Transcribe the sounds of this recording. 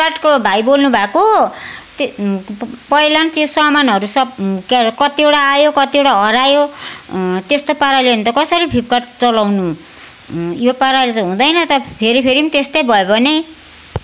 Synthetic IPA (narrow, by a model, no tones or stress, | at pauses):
kaʈkobʱajbolnubʱakot̪ | pʌjlʌnt̪josʌmanɦʌɾusʌbkakʌt̪iewɽaːjokʌt̪iewɽaɦʌɾajo | t̪est̪opaɾaleunit̪ʌkʌsʌɾibʱip̚kaʈt͡sʌlawnu | jopaɾalet̪ʌɦũd̪ʌjnʌt̪ʌpʰeɾipʰeɾimt̪est̪ʌjbʱʌjobʱʌne